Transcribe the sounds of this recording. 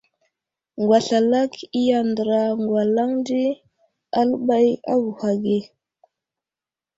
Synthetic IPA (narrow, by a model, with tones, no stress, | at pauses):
ŋɡwa˨ɬa˨la˦ki˦ja˨ndə˨ɾa˨ŋɡwa˨la˦ŋndi˦ | a˦lə˦ɓa˦ja̰˦ɡu˨ha˨ɡe˦˨